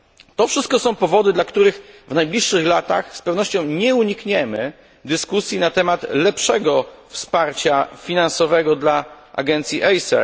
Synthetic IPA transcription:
t̪ɔfʂɘst̪̚kɔsɔ̃w̃pɔvɔd̪ɘd̪lakt̪uɾɘxvnajblʲiʂːɘxlat̪a̰xspɛvnɔɕt͡ɕɔ̃w̃ɲɛuɲikɲɛmɘ | d̪ɘskusʲjinat̪ɛmat̪lɛpʂɛɡɔfspaɾt͡ɕafʲinansɔvɛɡɔd̪la | ʔa̰ɡɛnt̪sʲjiʔɛjsɛ̰

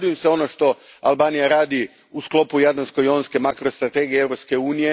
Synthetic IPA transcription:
d̪ujemseo̞noʃt̪o̞albaːnijaɾaːd̪i | usklo̞pujad̪lansko̞jonske̞makɾost̪ɾat̪e̞ɡijeeʋɾo̞pske̞uːnije

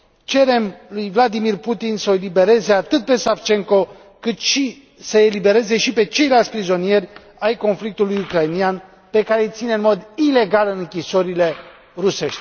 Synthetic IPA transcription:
t͡ʃe̞ɾe̞mlujvlad̪imirput̪insəoelibe̞ɾe̞ze̞at̪ɨt̪̚pe̞saft͡ʃe̞ŋko̞ | kɨt̪ʃi | səelibe̞ɾe̞ze̞ʃipe̞t͡ʃe̞jlalt̪sʲpɾizo̞nije̞rʲ | ajko̞nflik̚t̪ulujukɾajnian | pe̞kaɾejt̪sineɨnmo̞d̪ileɡalɨŋkʲisoɾile̞ | ruse̞ʃt̪ʲ

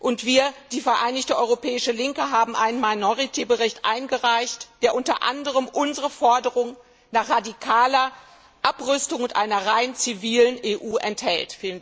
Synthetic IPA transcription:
ʔʊntv̥iːɐd̥iːfɛɐʔaɪnɪçtəʔɔʏʁopʰɛːɪʃəlɪŋkəɦaːbm̩ʔaɪnənmaɪnɔʁitʰebəʁɪçtʔa̰ɪnɡəʁaɪçtd̥eːɐʔʊntɐ̰ʔa̰ndəʁ̞əmʔʊnzəʁəfɔɐdəʁʊŋ | naːχʁ̥adikʰaːlɐ | ʔapʁʏstʊŋʊntʔa̰ɪnɐʁaɪnt͡siviːləneːʔuːʔɛnthɛ̰ltfiːlən

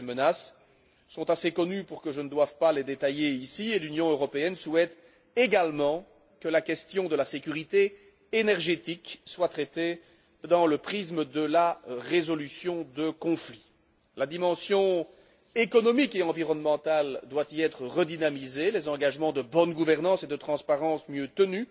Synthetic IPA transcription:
emənasː | ɔ̃t̪asekɔnypuʁkəʒənəd̪wavpaled̪et̪ajeisielynjɔ̃øʁɔpeɛnsuɛt̪ | eɡalmɑ̃ | kəlakʲɛst̪jɔ̃d̪əlasekʲyʁit̪eː | nɛʁʒet̪ikswat̪χɛt̪e | d̪ɑ̃ləpχisməd̪əlaʁezɔlysjɔ̃d̪əkɔ̃fli | lad̪imɑ̃sjɔ̃ | ekɔnɔmikeɑ̃viʁɔnmɑ̃t̪ald̪wat̪iɛt̪χəʁəd̪inamizelɛzɑ̃ɡaʒmɑ̃d̪əbɔnɡuvɛʁnɑ̃sed̪ət̪χɑ̃spaʁɑ̃smjøt̪əny

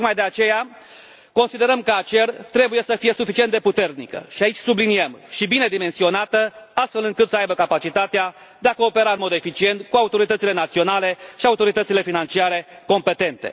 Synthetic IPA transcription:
kmajd̪e̞at͡ʃe̞ja | ko̞nsid̪e̞ɾəmkəat͡ʃe̞rt̪ɾe̞buje̞səfije̞sufit͡ʃie̞nd̪e̞put̪e̞rnikə̰ʃiait͡ʃʲsubliniemʃibine̞d̪ime̞nsio̞nat̪əast̪fe̞lɨŋkɨt̪səajbəkapat͡ʃit̪at̪ea | d̪eako̞ːpe̞ɾaɨnmo̞d̪e̞fit͡ʃie̞nt̪kuaut̪o̞ɾit̪ət̪sile̞nat̪sio̞nale̞ʃiaut̪o̞ɾit̪ət̪sile̞finant͡ʃiaɾe̞ko̞mpe̞t̪e̞nt̪e̞̰

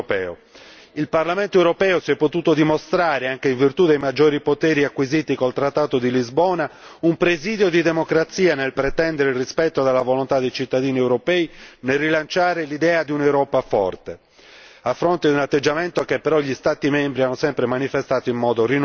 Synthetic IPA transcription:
pɛ̰ːo̰ | ilparlament̪oewɾopɛːosiɛpːot̪uːt̪od̪imost̪ɾaːɾeaŋk̟eiɱvirt̪ud̪ejmad͡ʒːoːɾipot̪ɛːɾiakwiziːt̪ikolt̪ɾat̪ːaːt̪od̪ilizbɔːna | umpɾeziːd̪jod̪id̪emokɾat̪siːanelpɾet̪ɛnd̪eɾeirispɛt̪ːod̪elːavolont̪ad̪ːejt͡ʃit̪ːad̪iːniɛwɾopɛːinelrːilant͡ʃaːɾelid̪ɛːad̪iunewɾɔːpafɔ̰rt̪e | afːɾont̪ed̪unat̪ːed͡ʒːament̪okepːeɾɔʎist̪aːt̪imɛmbɾianːosɛmpɾemanifest̪aːt̪oimːɔːd̪orin

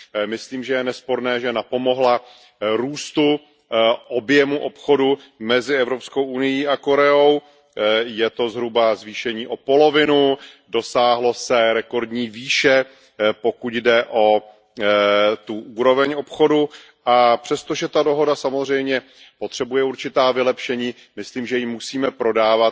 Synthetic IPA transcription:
mɪsliːmʒɛjɛnɛspo̞ɾnɛːʒɛnapo̞mo̞ɦla | ɾuːst̪u | ʔo̞bjɛmuʔo̞pxo̞du | mɛzɪɛvɾo̞pskowʔunɪjiːʔako̞ɾɛo̞w | jɛt̪o̞zɦɾubazviːʃɛɲiːʔo̞po̞lo̞vɪnu | do̞saːɦlo̞sɛɾɛko̞ɾdɲiːviːʃɛ | pokuɟdɛʔo̞ | t̪uʔuːɾo̞vɛɲo̞pxo̞du | ʔapr̝̥ɛst̪oʒɛt̪ado̞ɦo̞dasamozr̝ɛjmɲɛ | po̞t̪r̝̥ɛbujɛuɾt͡ʃɪt̪aːvɪlɛpʃɛɲiː | mɪsliːmʒɛjimːusiːmɛpɾo̞daːvat̪

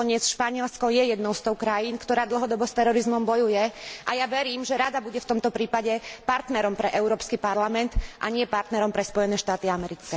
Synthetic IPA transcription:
ɔɲɪɛt͡sʃpaɲɪɛlskɔjɛjɛd̪nɔʊst̪ɔʊkɾajinkt̪ɔɾaːd̪l̩ɦɔd̪ɔbɔst̪ɛɾɔɾizmɔmbɔjujɛʔa̰jaʋɛɾiːmʒɛɾad̪abuɟɛft̪ɔmt̪ɔpɾiːpaɟɛpaɾt̪nɛɾɔmpɾɛʔɛʊɾɔːpskipaɾlamɛnt̪ʔaɲɪɛpaɾt̪nɛɾɔmpɾɛspɔjɛnɛːʃt̪aːt̪iamɛɾit͡skɛ

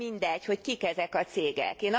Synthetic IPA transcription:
ind̪ɛcho̞ckikɛzɛkɒt̪seːɡɛ̰keːnɒ

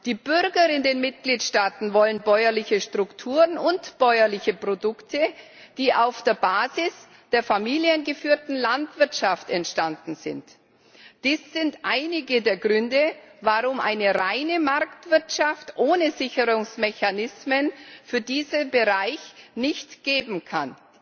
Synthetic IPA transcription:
d̥iːbʏʁɡɐɪndeːnmɪt̚ɡ̥liːtʃtaːtn̩vɔlənbɔʏɐlɪçəʃtʁ̥ʊktʰuːʁənʊntb̥ɔʏɐlɪçəpʁ̥odʊktʰə | d̥iːʔaʊfd̥eːɐbaːzɪs | d̥eːɐfamiːljənɡəfyːɐtn̩lantv̥ɪɐtʃaftɛntʃtandn̩zɪ̰nt | d̥iːsz̥ɪntʔaɪnɪɡədeːɐɡʁʏndəvaʁʊmʔa̰ɪnəʁaɪnəmaɐktv̥ɪɐtʃaftʔoːnəzɪçəʁʊŋsmɛçanɪsmənfyːɐdiːzənbəʁaɪçnɪçtɡ̥eːbm̩kʰa̰n

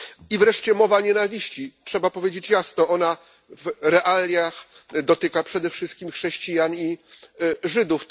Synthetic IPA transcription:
ivɾɛʂt͡ɕɛmɔvaɲɛnavʲiɕt͡ɕitʂɛbapɔvʲjed͡ʑet͡ɕjasnɔɔna | vɾɛʔalʲjax | d̪ɔt̪ɘkapʂɛd̪ɛfʂɘst̪̚kʲimxʂɛɕt͡ɕijaɲi | ʐɘd̪uf

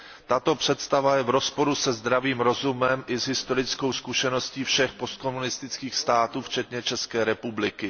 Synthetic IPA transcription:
t̪at̪o̞pr̝̥ɛt̪st̪avajɛvɾo̞spo̞ɾusɛzd̪ɾaviːmɾo̞zumɛmʔɪzɦɪst̪o̞ɾɪt͡sko̞wskuʃɛno̞sciːfʃɛxpo̞st̪̚ko̞munɪst̪ɪt͡skiːxst̪aːt̪uːft͡ʃɛt̪ɲɛt͡ʃɛskɛːɾɛpublɪkɪ

